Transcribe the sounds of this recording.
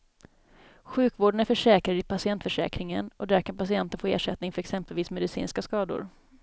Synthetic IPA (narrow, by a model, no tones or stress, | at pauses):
ɧʉ̟ːkvoːɖənæɾfœʂɛːkɾad̪ɪpʰasɪɛnt̪fœʂɛ̰ːkɾɪŋə̰nɔd̪æɾkʰanpasɪɛnt̪ənfoːḛːʂɛt̪nɪŋfœɾɛksɛmpəlviːsmɛd̪ɪsḭːnskaskɑːd̪ʊ̰ɾ